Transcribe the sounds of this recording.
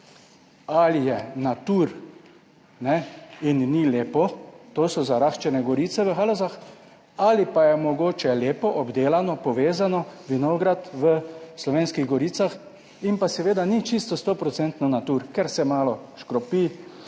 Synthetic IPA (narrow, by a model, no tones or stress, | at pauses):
alijɛnat̪uːɾ | nɛinːileːpɔt̪oːsɔzaɾaxt͡ʃɛnɛɡɔɾiːt̪sɛʋəxalozax | alipajɛmɔɡoːt͡ʃɛleːpɔʔɔbd̪eːlanɔpɔʋeːzanɔʋinoɡɾat̪ʋəslɔʋeːnskiɣɡɔɾiːt̪sax | impasɛʋeːd̪anit͡ʃist̪ɔst̪opɾɔt̪sɛnt̪nɔnat̪uɾkɛɾsɛmaːlɔʃkɾɔpi